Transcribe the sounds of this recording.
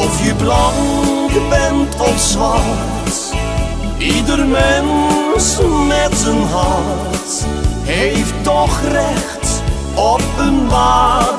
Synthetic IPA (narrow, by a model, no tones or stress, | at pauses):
ɔfjəblɑŋɡbɛntʰɔfsva | t | ʔidərmɛnsmɛtsənɦɑn | t | hejfttɔχrɛxt | ɔp̚ənmaː